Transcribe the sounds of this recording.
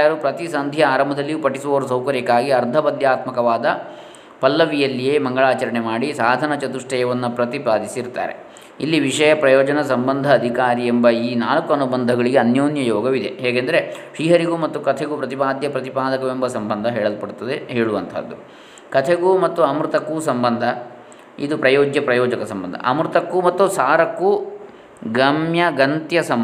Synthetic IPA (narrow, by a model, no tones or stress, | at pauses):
jɐɾupɾɐt̪isɐnd̪ʱjɐaːɾɐmbɐd̪ɐlːijupɐʈisuʋɐʋɐɾus̬ɐwkɐɾikaːɡiɐɾd̪ʱɐbɐd̪jaːt̪mɐkɐʋaːd̪ɐ | pɐlːɐʋijɐlːijeːmɐŋɡɐɭaːt͡ʃɐɾɐɳemaːɽisaːd̪ʱɐnɐt͡ʃɐt̪uʂʈɛjɐʋɐnːupɾɐt̪ipaːd̪isiɾt̪ːa̰ːɾe | ilːiʋiʂɐjɐpɾɐjɔːd͡ʒɐnɐsɐmbɐnd̪ʱɐːd̪ʱikaːɾiembɐiːnaːlɐkuɐnubɐnd̪ʱɐɡɐɭiɡeɐnjoːnjɐjɔːɡɐʋid̪e̞ɦɛːɡend̪ɐɾeʂiːɦɐɾiɡumɐt̪ːukɐt̪ʰeɡupɾɐt̪ipaːd̪jɐpɾɐt̪ipaːd̪ɐkɐʋembɐsɐmbɐnd̪ʱɐɦɛːɭɐlupɐɽut̪ːɐd̪eɦeːɭuʋɐnt̪ʰɐ̰d̪ːu | kɐt̪ʰeɡumɐt̪ːuɐmɾut̪ɐkːusɐmbɐnd̪ʱɐ | id̪upɾɐjɔːɡjɐpɾɐjɔːd͡ʒɐkɐsɐmbɐnd̪ʱɐ̰ʔɐ̰mɾut̪ɐkːumɐt̪ːusaːɾɐkːu | ɡɐmjɐɡɐnt̪jɐsɐm